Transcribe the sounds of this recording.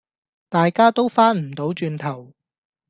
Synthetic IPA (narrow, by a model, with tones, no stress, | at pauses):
t̪aː˨jkaː˥t̪o˥wfaː˥nm̩˨˩t̪o˨˥wt͡ʃyː˧nt̪ʰɐ˨˩w